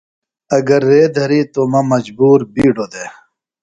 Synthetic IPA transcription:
ɐɡɐɾːeːd̪ʱɐɾit̪omɐmɐd͡ʑbuːɾbiːɖod̪e

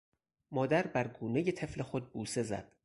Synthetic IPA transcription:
mɒːd̪æɾbæɾɡuːneje̞t̪ʰe̞fle̞xo̞d̪̚buːse̞zæ̰d̪̥

